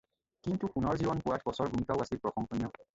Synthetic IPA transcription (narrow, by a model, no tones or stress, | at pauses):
kintukunɔɹzibɔnpuwatʰbɔsɔɹɡumikawasilpɹɔxɔŋkʰɔnijɔ